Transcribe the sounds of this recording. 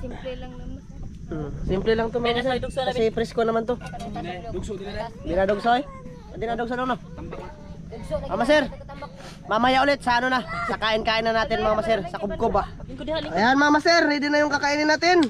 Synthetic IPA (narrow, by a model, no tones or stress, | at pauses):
sɪmplɛlaŋt̪omamasɛkɐsipɾɪskonɐmant̪o | d̪ɪnad̪oɡsoj | ɐd̪ɪnad̪oɡs̬olono | mamasɛɾ | mamajaʔolɪt̪̚sɐanonasɐkaːʔɪnkaːʔɪnɐnaːt̪ɪnmɐŋamasɛɾsɐkob̚kobaɐjanmɐaamasɛɾnid̪ɪnɐjoŋkɐkaʔinɪnaːt̪ɪn